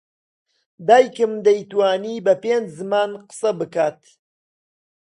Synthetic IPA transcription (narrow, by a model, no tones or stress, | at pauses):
d̪aːjkɨmd̪ɐjt̪waːniːbɐpeːnd͡ʒzɨmaːnqə̥sɐbɨkaːt̪